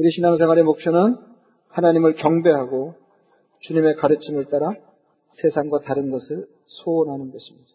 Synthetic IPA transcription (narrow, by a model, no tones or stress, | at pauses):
kɯɾiɕʰinaŋsʰeŋwaɾemok̚s͈ʰonɯn | hanaɲimɯɭkjʌŋbe̞ɦaɡo | t͡ɕuɲime̞kaɾɯt͡ɕʰimɯɭt͈aɾa | sʰe̞sʰaŋɡwataɾɯnɡʌsʰɯɭ | sʰoːnɦanɯnɡʌɕʰimɲidḁ